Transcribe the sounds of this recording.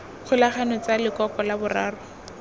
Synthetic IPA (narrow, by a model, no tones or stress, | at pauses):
χʰʊlaχanɔt͡salɪkɔkɔlabʊraːrʊ